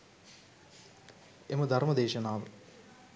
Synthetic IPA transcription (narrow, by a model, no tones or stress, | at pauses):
emɐd̪ʱɐɾmɐd̪eːʃɐnaːʋɐ